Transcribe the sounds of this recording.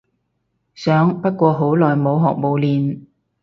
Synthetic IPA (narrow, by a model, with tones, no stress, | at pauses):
sœː˨˥ŋpɐ˥t̚kʷɔː˧ɦo˨˥wlɔː˨˩jmo˨˧wɦɔ̰ː˨k̚mo˨˧wliː˨˧n